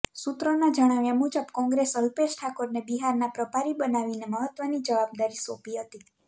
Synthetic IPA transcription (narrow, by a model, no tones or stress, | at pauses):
sut̪ɾonad͡ʒəɽ̃aʋjamud͡ʒəbkɔ̃ŋɡɾesəlpeʃʈʰakoɾnebiɦaɾnapɾəpaɾibənaʋineməɦət̪ʋənid͡ʒəʋab̚d̪aɾisopiɦət̪i